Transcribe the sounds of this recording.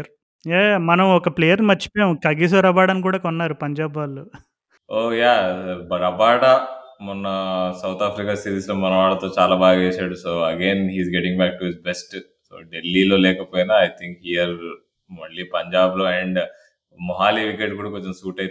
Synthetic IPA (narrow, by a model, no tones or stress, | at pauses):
ɾ | jemɐnɐmɔkɐpleːjɐɾnimɐt͡ʃːi̥pːjemkɐɡiːs̬oːɾɐbaːɽɐnkuːɽaːkɔnːaːɾupɐɲd͡ʒaːbʋaːlːoː | oːjaːbɐɾɐbaːɽɐmɔnːɐsɐwt̪ʰaːpɾikaːsiɾiːsloːmɐnɐʋaːɭːɐt̪o̞ːt͡ʃaːlaːbaːɡaʋeːsaːɽusoːɐɡeːnɦiːzɡeʈĩŋbæːk̚ʈuɦizbesʈ | so̰ːɖelːilo̞ːlɛːkɐpoːjinaɐjt̪ʰiŋkɦijɐɾ | mɐɭːipɐɲd͡ʒaːbloɛɳɖ | mɔɦaːliʋikeʈkuːɽakoɲt͡ʃɐmsuːʈɐj